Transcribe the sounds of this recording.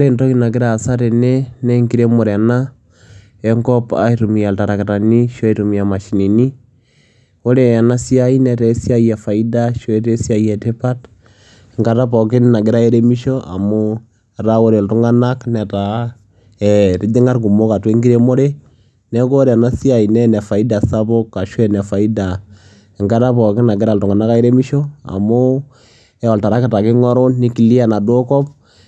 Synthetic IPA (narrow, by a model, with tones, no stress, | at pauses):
o˦ɾentɔ˦ki˦na˨kɪ˦ɾa˦˨sa˦ɾe˨nɛ˦nɛ˦ŋɡi˦ɾe˦mo˨ɾna˦ | ɛ˦ŋkɔ˦pa̰˦i˦ɾu˨mi˨a˨lta˨ɾa˨ke˨ɾa˨ni˦ʃo˦i˨ɾumi˨a˨ma˨ʃi˨ni˨ni˦ | o˦ɾe˨a˨na˦si˦a˦i˦nɛ˨ɾɛ˦si˦a˦ja˨fa˨i˦da˦ʃɔ˦e˦ɾe˦sja˦ja˨te˦pa˦t | ŋɡa˨ɾa˦pɔ˨ki˦nna˨ɡɪ˦ɾa˦e˦ɾe˦mi˦ʃɔ˦ʔa̰˨mo˦˨ | ɾa˦wo˦ɾe˨ltu˦ŋa˦na˦knɛ˨ta˨ | ɛ˨ɾɪ˨dɪ˦ŋa˦rk̬u˨mo˦ka˨twe˦ŋɡi˦ɾe˦mo˦ɾe˦ | nɛ˦ko˦ɾɛ˨na˦si˦a˨i˨nɛ˦nɛ˨fa˨i˦da˨sa˦bo˦kːa˨ʃwɛ˦nɛ˨fa˨i˦da˨ | ɪ˨ŋɡa˦ta˦pɔ˨kɪ˦na˨ɡɪ˦ɾa˦˨ltu˨ŋa˨na˦ka˦e˦ɾe˦mi˦ʃo˦a̰˨mʊ˦ | ɛ˨ɔ˨lta˨ɾa˦ka˨ta˨kɪ˦ŋɔ˦ɾo˦nni˦ki˨li˦a˨na˨do˦kɔ˦p̚